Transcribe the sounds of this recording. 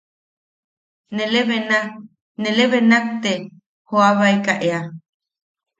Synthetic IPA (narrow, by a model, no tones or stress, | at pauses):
neleβena | neleβenak̚t̪e | hoaβajkaʔea